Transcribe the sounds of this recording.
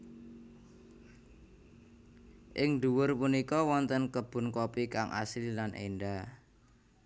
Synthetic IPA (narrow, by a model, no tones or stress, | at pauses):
ʔɪŋd̪uwʊrpunikɔwɔnt̪ənkəb̥ʊ̤nkopikaŋʔa̰sɪllanʔḛɳɖa